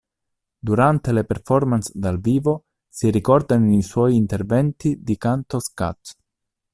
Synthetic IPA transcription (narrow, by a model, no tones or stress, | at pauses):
d̪uɾant̪elepeɾfɔɾmansd̪alviːvo | siɾikɔɾd̪aniswɔjːnt̪eɾvɛnt̪id̪ikant̪oska̰t̪